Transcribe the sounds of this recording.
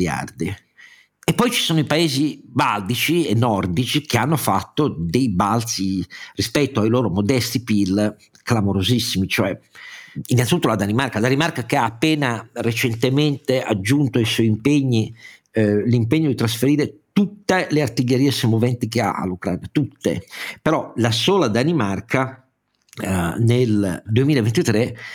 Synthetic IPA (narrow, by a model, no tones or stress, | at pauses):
ja̰rd̪i | epːɔjt͡ʃi̥soːnoipaeːzibald̪it͡ʃienːɔrd̪it͡ʃik̟eanːofat̪ːod̪ejbalt̪sirispɛt̪ːoailoːɾomod̪ɛst̪ipil | klamoɾozisːimit͡ʃoɛ | inːanit̪ut̪ːolad̪animaɾkaad̪animarkakeaːpːɛːnaret͡ʃent̪ement̪ea̰d͡ʒːunt̪oiswɔiimpeɲːi | limpeɲːod̪it̪ɾasfeɾiːɾet̪ut̪ːeleart̪iʎːeɾiːesemovɛnt̪ikea̰a̰lːukɾa̰ːnat̪ut̪ːḛpeɾɔlasoːlad̪animarkʰa | neld̪uemiːlavent̪it̪ɾe